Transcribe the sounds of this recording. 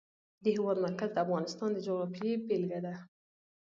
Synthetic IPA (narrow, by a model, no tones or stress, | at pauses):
d̪əhɪwɑd̪maɾkazd̪əafɣɑnɪst̪ɑnd̪əd͡ʒoɣɾɑfjebelɡad̪a